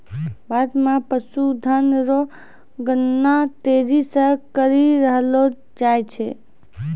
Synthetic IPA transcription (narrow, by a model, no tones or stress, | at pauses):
bad̪mapəsud̪ʱənɾo | ɡənːat̪eɾisə̃kəɾiɾəɦlo | d͡ʒajt͡ʃʰe